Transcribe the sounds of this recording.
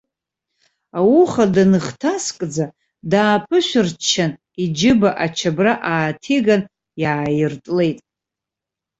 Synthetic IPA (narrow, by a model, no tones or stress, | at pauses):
awuχadanɨχtʰaskʼd͡za | daːpʰɨʃʷᶣɪrt͡ʃʰːan | id͡ʒɪbaʔat͡ʃʰabraʔaːtʰiɡan | jaːjɪrtʼle̞jtʼ